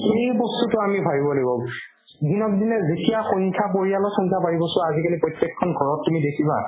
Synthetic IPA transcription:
xejbɔstutʊamibʱabibɔloɡibɔ | dinɔbdinɛzetijaxɔŋkʰapoɹijalɔxɔŋkʰabaɹibɔsʊ̃azikanipɹɔjtjɛkʰːɔnɡʱɔɹɔtːumidekʰiba̰

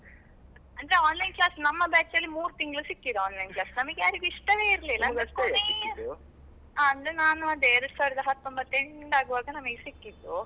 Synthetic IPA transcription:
ɐɳd̪ɾeaːnlɐjnklaːsnɐmːɐbaːt͡ʃːɐlːimuːɾt̪iŋɡɐɭusikːid̪uaːnlɐjnklaːsnɐmɐkejaːɾikːiʂʈɐʋeːiɾlilɐnɐe | aɐnenaːnũɐd̪eːɾɐɽsaːɾid̪ɐɦɐt̪ːombɐt̪ːeɳɖaːɡuʋaːɡɐnɐmɐɡsikːid̪u

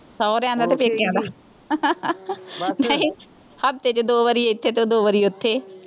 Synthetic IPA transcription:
sɔːɾɛãːnd̪aːt̪epeːkãːd̪aː | nəĩː | həb̚t̪et͡ʃd̪oːʋəɾieɪt̪ʰːeːt̪oːd̪oːʋəɾiːʊt̪ʰːeː

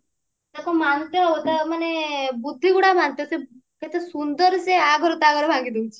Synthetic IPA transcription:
t̪akomant̪eɦot̪ɐmənebud̪ʱːiɡuɽabant̪eseket̪esund̪əɾseaɡʱəɾot̪aɡəɾbʱãɡid̪ũt͡ʃʰe

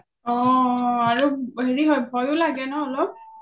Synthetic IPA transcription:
ɔaɹuɦeɹiɦɔjbʱɔjʊlaɡɛnɔɔlɔp̚

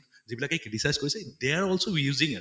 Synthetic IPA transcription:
zibilakɛkɹiʈisajz̥koɹisɛdeaɹɔlsoɹijuzĩŋɛ

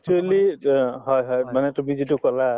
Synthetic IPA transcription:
tʰualiɦɔjɦɔjmanɛtumizitukɔla

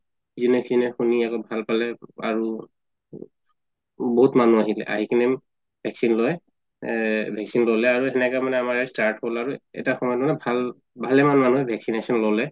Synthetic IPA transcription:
zinɛkinɛxuniakɔbʱalpalɛa̰ɹu | boɦutmanuaɦilɛ̰ʔa̰ɦikʰinɛm | bʱɛksinlojɛ | bʱɛksinlolɛaɹuɛnɛkamanɛamaɹɛstaɹtholaɹuɛ̰taxɔmɔjɔtmanɛbʱal | bʱalɛmanmanuɛbʱɛksinesɔnlolɛ

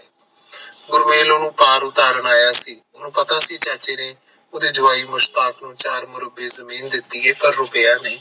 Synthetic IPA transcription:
ɡʊɾmeːloːnũːpaːɾʊt̪aːɾəɳaːjaːsiːʊnũːpət̪aːsiːt͡ʃaːt͡ʃeːneː | ʊd̪eːd͡ʒʊʋaːiːmʊʃt̪aːknũːt͡ʃaːɾmʊɾəbeːzəmiːnd̪ɪt̪ːiːeːpəɾːʊpəjaːneː

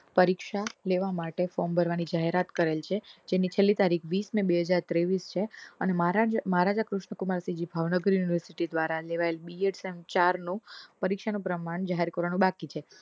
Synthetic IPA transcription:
pəɾikʃaleʋamaʈefɔmbʱəɾʋanid͡ʒaɦeɾat̪kəɾelt͡ʃʰed͡ʒenit͡ʃʰelːit̪aɾikʰʋismebeɦəd͡ʒaɾt̪ɾeʋist͡ʃʰeəneməɾməɦaɾad͡ʒakɾʊʃɳəkumaɾsid͡ʒibʱaʋnəɡəɾjuniʋəɾsiʈid̪ʋaɾaleʋaelbieʈsemt͡ʃaɾnũpəɾikʃanũpɾəmaɳd͡ʒaɦeɾkəɾʋanũbakit͡ʃʰe

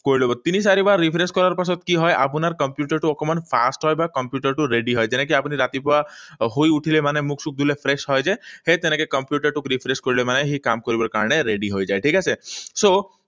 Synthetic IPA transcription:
koɾilebɔt̪inisaɾibaɾipʰɾeskɔɾaɾpasɔt̪kiɦɔeʔa̰pnaɾkɔmpjuʈəɾʈuɔkɔmɔnpʰa̰sʈɦɔjbakɔmpjuʈəɾʈuɾeɖiɦɔjd͡ʒenek̬iapñiɾat̪ipɔaɦojuʈʰilemanemuksuk̚d̪ʱulepʰɾesɦɔjd͡ʒehet̪enekekəmpjuʈəɾʈukɾipʰɾeskɔɾilemaneɦikamkɔɾibɔɾka̰ɾñeɾeɖiɦojd͡ʒaeʈʰikasʰeso

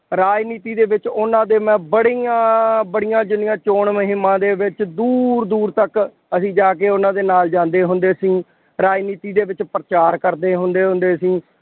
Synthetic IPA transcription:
ɾaːd͡ʒniːt̪iːd̪eːʋɪt͡ʃʊnãːd̪eːmɛ̃ːbəɽijãːbəɽɪjãːd͡ʒʊnɪjãːt͡ʃoːɳməɦɪmːãːd̪eːʋɪt͡ʃd̪uːɾd̪uːɾt̪ək | əsĩːd͡ʒaːkeːʊnãːd̪eːnaːld͡ʒãːnd̪eːɦʊnd̪eːəsĩː | ɾaːd͡ʒniːt̪iːd̪eːʋɪt͡ʃpɾət͡ʃaːɾkəɾd̪eːɦʊnd̪eːɦʊnd̪eːəsĩː

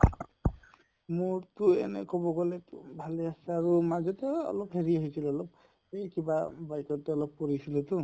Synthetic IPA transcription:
muɹtʊɛ̰nɛ̰kɔbɔɡɔlɛtʊbʱalɛasaaɹumazɔtɛɔ̰lɔpɦeɹiaɦisilɔlɔp̚ | hejkibabajkɔtːɛɔlɔpːɔɹisilɛtʊ

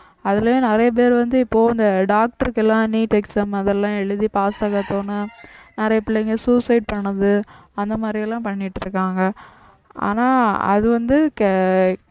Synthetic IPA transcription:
ɐðɪljõːnɪɾɐjɐp̬eːɾʋɐnd̪ɯɪpːoːɐnd̪ɐɖaːk̚ʈɐɾkɛlːãːniːʈɛksɐmɐðɛlːãːɛɭːɯðipaːsɐɣɐt̪ːoːnɯnɪɾɐjɐpːɪɭɐŋɡesuːsɐɪɖ̚pɐɳːɐðɯɐnd̪ɐmaːd̪ɾɪɛlːãːpɐɳːɪʈːɯɾɯkːaːŋɡɐ | ʔa̰ːnaːɐ̰ðɯʋɐnd̪ɯk

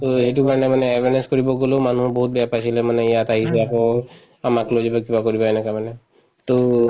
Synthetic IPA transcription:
t̪oɦeʈukaɾnemaneːbʱeneskɔɾiboɡolomanuɦbɔɦut̪̚bapasʰilemanejat̪aɦiseako | amaklod͡ʒebakibakɔɾibɔenakamane | t̪o

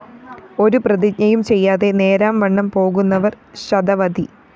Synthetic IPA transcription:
o̞ɾuprɐðiɲɐjumt͡ɕe̞jːaːðe̞ne̞ːɾaːmʋɐɳːɐmpo̞ːɣunːɐʋɐr | ɕɐd̪ɐʋɐd̪i

